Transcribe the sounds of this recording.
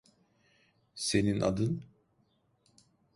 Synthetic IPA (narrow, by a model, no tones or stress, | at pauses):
se̞ninʔa̰d̪ɯn